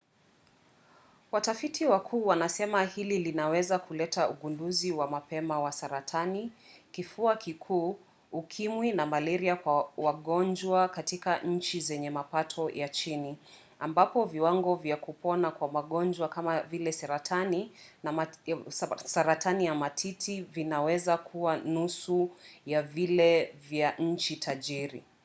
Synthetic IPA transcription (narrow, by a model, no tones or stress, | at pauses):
watafitʰiwakʰuːwanasɛmahililinawɛzakulɛtʰauɠunduziwamapɛmawasaɾatʰanikifuakikʰuː | kʰimwinamalɛɾiakwawaɠɔnd͡ʒwakatikaʔɲ̩t͡ʃizɛɲɛmapatʰɔjat͡ʃini | ambapɔviwaŋɡɔvjakupɔnakwamaɠɔnd͡ʒwakamavilɛsaɾatʰaninam | saɾatʰanijamatʰitʰivinawɛzakʰuwanusujavilɛvjaɲ̩t͡ʃitʰaʄiɾḭ